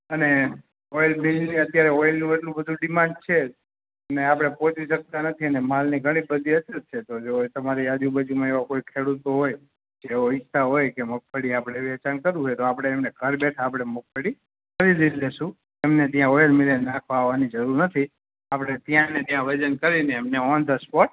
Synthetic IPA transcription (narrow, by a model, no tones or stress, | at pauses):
əne | ɔjəlmilniət̪jaɾɛɔjlnũeʈlũbəd̪ʱũɖimãɳɖ̚t͡ʃʰe | əneapɽ̃epõt͡ʃiʃək̚t̪anət̪ʰiənemalniɡʱəɽ̃ibəd̪ʱiət̪ːət̪̚t͡ʃʰet̪od͡ʒot̪əmaɾiad͡ʒubəd͡ʒumãeʋakojkʰeɽut̪oɦoj | d͡ʒeoist̪aɦojkemək̚fəɽiapɽ̃eʋɛt͡ʃankəɾũɦojt̪oapɽ̃eːmneɡʱəɾbeʈʰaːpɽ̃emuk̚ʰfəɽi | kəɾid̪illeʃũ | emnet̪jãojəlmilenakʰʋaɦʋanid͡ʒəɾuɾnət̪ʰi | apɽ̃et̪jãnet̪jãʋəd͡ʒənkəɾineːmneɔnd̪ʱəspɔʈ̚